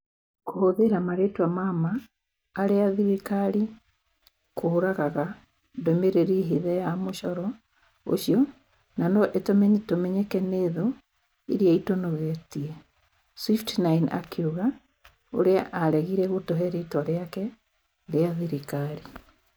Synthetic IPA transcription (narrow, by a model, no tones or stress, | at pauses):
kohoðeɾamaɾetwamamaː | ɾeaðiɾikaɾi | koːɾaɣaɣa | ndomeɾeɾiɦeðɛjamoʃɔɾɔ | o̰ɕiɔ | nanɔʔetomɛɲtomɛɲɛkɛneːðo | iɾiaitonoɣɛtiɛ | swiftnaina̰kʰeuɣa | o̰ɾeaʔaɾɛɣiɾɛɣotɔɦɛɾetwaɾeakɛ | ɾeaðiɾikaɾi